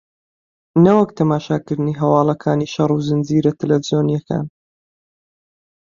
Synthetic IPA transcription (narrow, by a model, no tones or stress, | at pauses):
nɐwɐkt̪ʰɐmaːʃaːkɨɾd̪ɨniːɦɐwɑːlˠɐkʰaːniʃɐruzɨnd͡ziːɾɐt̪ʰɛlɛvzjoːnijɐkʰa̰ːn